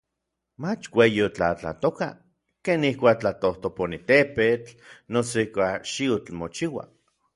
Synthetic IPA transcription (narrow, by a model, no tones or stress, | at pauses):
mat͡ʃwejiot͡ɬa̰t͡ɬa̰t̪oka̰ | keːnihkʷaːk̚t͡ɬat̪oht̪oponit̪epet͡ɬnosoikʷakʃiot͡ɬmot͡ʃiwa̰